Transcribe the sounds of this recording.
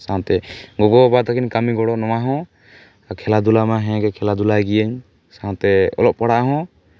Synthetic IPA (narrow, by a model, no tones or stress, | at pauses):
sãnt̪ɛɡɔɡɔbad̪akiɲkamiɡɔɽɔnɔwaɦɔ̃ | kʰɛlad̪ulamaɦɛ̃ɡɛkʰɛlad̪ulajɡijɛɲ | sat̪ɛɔ̰lɔʔ̚paɽaʔaɦɔ̃